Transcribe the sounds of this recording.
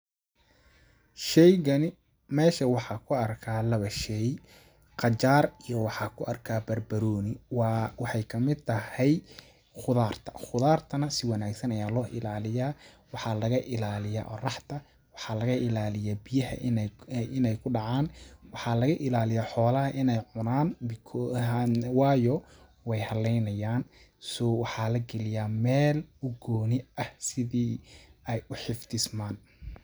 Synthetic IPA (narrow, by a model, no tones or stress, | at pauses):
ʃɛjɡɐnɪ | mɛːʃɐwɑħɑkʰʊɐrkʰaːlɐβɐʃɛj | qɑt͡ʃaːrijɔwɑħɑːkʰʊʔɐrkʰaːbɐrbɐɾɔːnɪwwɑħɑjkʰɐmɪd̪t̪ʰɐhɛj | χʊðaːrt̪ʰɐ̥χʊðaːrt̪ʰɐnɐsɪwɑnaːɡsɐnɐjaːlɔːʔɪlaːlɪjaː | wɑħɑːlɐɣɐʔɪlaːlɪja̰ːʔɔ̰rɑħt̪ʰɐ | wɑħɑlɐɣɐɪlaːlɪjaːbɪjɐhɐ̰nɪnɛjkʰʊɖɑʕɑːnwɑħɑːlɐɣɐʔɪlaːlɪjaːħɔːlɐɦɐʔɪnɛjʕʊnaːnbkʰː | wɑːjɔ | wɛjhɐlɛjnɐjaːn | sɔwɑħɑːlɐɡɛlɪjaːmɛːlʊɡɔːnɪɐhsɪðiːɛjʊħɪfd̪ɪsmaːn